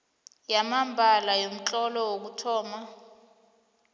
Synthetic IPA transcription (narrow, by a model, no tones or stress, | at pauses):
jamambʱalajom̩t͡ɬʼɔlɔwok̬utʰɔːma